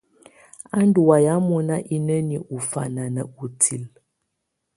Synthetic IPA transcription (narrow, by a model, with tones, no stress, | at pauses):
a˦n˦du˨wa˨ja˨˦mɔ˦na˦ʔi˦nə˦ni˨ʔu˨fa˨na˨nə˨u˨tʰi˨l